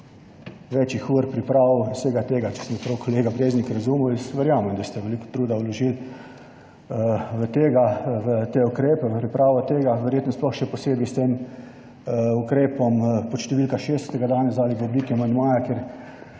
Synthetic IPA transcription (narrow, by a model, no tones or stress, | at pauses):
ʋɛt͡ʃixuɾpɾipɾawseːɡat̪eːɡat͡ʃɛ̥smɛpɾɐwkʰɔleːɡabɾeːznikɾɐzuːmujɛsʋɛɾjaːmɛmd̪ast̪ɛʋɛlikɔ̥t̪ɾuːd̪awlɔʒil | ʋət̪eːɡaʋət̪eukɾeːpɛʋəpɾipɾaːʋɔt̪eːɡaʋɛɾjeːt̪nɔsplɔxʃɛpɔseːbist̪eːm | ukɾeːpɔmpɔt̪ʃt̪ɛʋilkaʃeːst̪ɛɡad̪aːnɛzd̪aːliɡəbliːk̪iamand̪maːjakeɾ